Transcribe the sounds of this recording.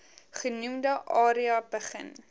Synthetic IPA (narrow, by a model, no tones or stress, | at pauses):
χənumdəʔɑːɾiɐbəχə̰n